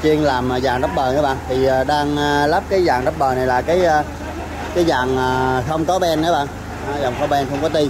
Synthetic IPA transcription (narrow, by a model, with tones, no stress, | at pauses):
t͡ɕi˧əŋlaː˨˩mː˨˩zaː˨˩ŋɗə˦˥p̚ɓəː˨˩nəː˨˦ɓaː˧˨ŋt̪ʰi˨˩əː˨˩ɗaː˧ŋə˧la˦˥p̚kaː˨˦jzaː˨˩ŋɗə˦˥p̚ɓəː˨˩na˨˩jlaː˨˩kaː˨˦j | kaː˨˦jzaː˨˩ŋəː˩xə˧wŋ͡mkɔ˨˦ɓɛ˧nːə˨˦ɓaː˧˨ŋː˨˧ | zɔ˨˩wŋ͡mkɔ˨˦ɓɛ˧nxə˧wŋ͡mkɔ˨˦t̪i˧